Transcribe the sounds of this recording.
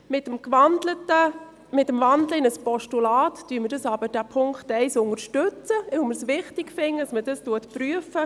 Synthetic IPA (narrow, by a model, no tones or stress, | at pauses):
mɪtəmkʋɑndlətə | mɪtːəmvɑndləɪnəspɔʃtulɑːtd̥yːməɾdɑsɑːbəd̥æpʰʊŋkχtɛɪsʊŋəɾʃtøt͡səʋɪwməɾsʋɪχtɪkfɪŋːə̥ɑsmədɑstuətpryəfə